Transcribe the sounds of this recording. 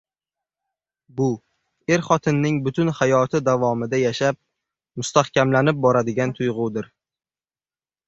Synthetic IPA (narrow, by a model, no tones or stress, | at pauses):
bʊ | e̞ɾχɒt̪ʰɪnːɪŋbʊt̪ʰʊnhajɒt̪ʰɪd̪avɒmɪd̪ajaʃap̚ | mʊst̪ahkʲamlanɪp̚bɒɾad̪ɪɡʲant̪ʰʊjʁʊd̪ɪɾ